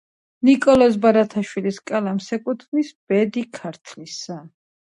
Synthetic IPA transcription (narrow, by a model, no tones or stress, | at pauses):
nikʼɔlɔs̬baɾat̪ʰaʃwiliskʼalamsɛkʼut̪ʰnisb̥ɛd̪ikʰaɾt̪ʰlisa